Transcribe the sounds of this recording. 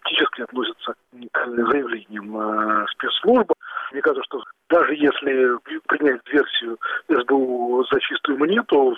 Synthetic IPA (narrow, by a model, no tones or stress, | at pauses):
k̚tʲit͡ɕɪskʲɪɐt̪nosʲɪt̪səkʲklʲnɨmzəjɪvlʲenʲɪjəmspʲet̪slˠuʐbɨmnʲekat̪əʂt̪od̪aʐɨjesʲlʲɪpɾʲɪnʲæt̚ʲd̪vʲe̞rsʲɪjʊɪʐd̪uzɐt͡ɕist̪ʊjʊmanʲet̪ʊ